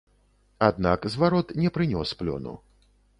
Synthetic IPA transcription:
ad̪nakzvaɾɔt̪nʲɛpɾɨnʲɔsplʲɔ̰nṵ

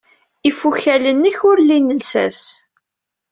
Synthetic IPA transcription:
ifuçælənːiçʊɾlinəlsæ̰s

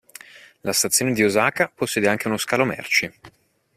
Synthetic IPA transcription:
last̪at̪sːjoːned̪iozaːkaposːɛːd̪eaŋk̟eunoskaːlomɛ̰rt͡ʃi

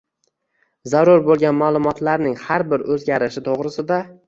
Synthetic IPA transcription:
zaɾʊɾbolˠɡʲanmalˠʊmɒt̪laɾnɪŋhaɾbɪɾɵzɡʲaɾɪʃɪt̪ʰoʁɾɪsɪd̪a

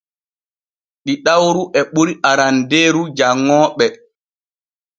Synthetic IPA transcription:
ɗiɗawɾuʔɛɓuɾiʔaɾandeːɾud͡ʒaŋːɔːɓɛ

